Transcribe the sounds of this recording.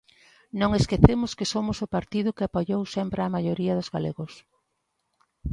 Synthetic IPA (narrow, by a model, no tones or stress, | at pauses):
nõŋeskeθemʊskɪsomʊsʊpaɾt̪iðʊkɪapoʎowsɛmpɾɪamajoɾiɐðʊzɣalḛɣʊs